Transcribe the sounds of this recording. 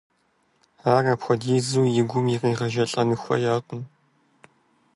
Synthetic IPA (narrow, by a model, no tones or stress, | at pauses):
aːraːpxʷɔdiːzuːjɪɡʷʊmjɪriːʁɐʒɐɬʼɐnɨxʷɐ̰jaːqʷʼʊn